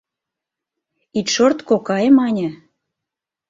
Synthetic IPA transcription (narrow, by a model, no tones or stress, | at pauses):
it̪ʃort̪kokɑemɑnʲə̆